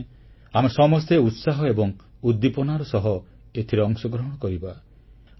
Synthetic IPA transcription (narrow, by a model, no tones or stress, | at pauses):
amesɔmɔst̪eut̪saɦɔebɔŋud̪ːipɔnaɾɔsɔɦɔ | et̪ʰiɾeɔŋsɔɡɾɔɦɔɽ̃ɔkɔɾiba